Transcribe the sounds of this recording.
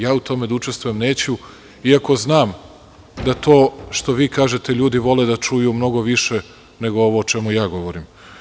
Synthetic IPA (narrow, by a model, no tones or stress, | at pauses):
jaːut̪ʰo̞me̞d̪aut͡ʃest̪ʋuje̞mne̞ːt͡ɕu | iako̞znaːm | d̪at̪oːʃt̪o̞ʋiːkaːʒe̞t̪eʎuːd̪iʋo̞led̪at͡ʃujumno̞ɡoʋiʃe | ne̞ɡooʋoːt͡ʃe̞mujaːɡo̞ʋoɾim